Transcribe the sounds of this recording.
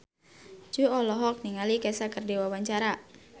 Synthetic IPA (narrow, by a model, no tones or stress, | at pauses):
d͡ʒuɔlɔɦɔk̚niŋalikɛsakərdiwawaɲt͡ʃaɾa